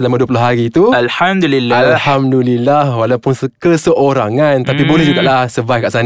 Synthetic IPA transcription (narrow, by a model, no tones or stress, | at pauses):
səlamãduəp̬uloɦaɾit̪ualhamd̪ulilːalhamd̪ulilːahwalawpʊnskəsəʔoɾaŋãnt̪apibolɛhd͡ʒuɡaʔlahsəvajfkaʔsan